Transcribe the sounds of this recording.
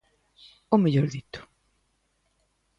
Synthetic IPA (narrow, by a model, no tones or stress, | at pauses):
omeʎoɾðit̪ʊ̥